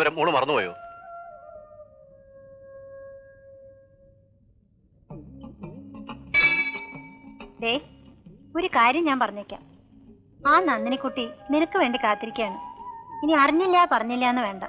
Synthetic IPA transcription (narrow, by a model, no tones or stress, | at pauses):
ɐɾɐmoːɳːumɐrɐnːupoːjo̰ː | d̪eː | o̞ɾukaːɾjɐmɲaːmpɐrɐɲːiɾikʲːa̰ːm | aːnɐnːinikʲːuʈːininɐkːɨʋe̞ːɳɖikaːt̪ːiɾikʲːaːɳɨiniɐriɲːilːaːpɐrɐɲːilːɐenːɨʋe̞ːɳɖɐ